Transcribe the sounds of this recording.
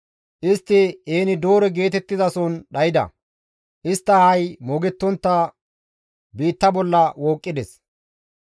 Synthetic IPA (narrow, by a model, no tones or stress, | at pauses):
ʔɪst̪ːɪeːnɪd̪o̞ːɾɛɡe̞ːt̪ɛt̪ːɪzɐsɔnɗɐjɪd̪ɐ̰ | ʔɪst̪ːɐhɐjmɔɡɛt̪ːɔnt̪ːɐ | biːt̪ːɐbɔlːɐwoːkʼːɪd̪ɛs